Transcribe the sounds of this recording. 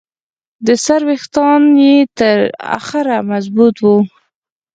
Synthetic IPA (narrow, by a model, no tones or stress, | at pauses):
d̪əsaɾwext̪ɑnjet̪əɾa̰xɪɾamazbut̪wu